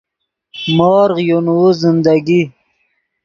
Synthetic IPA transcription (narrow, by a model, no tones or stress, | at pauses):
moːɾʁjonwuzɪnd̪aɡi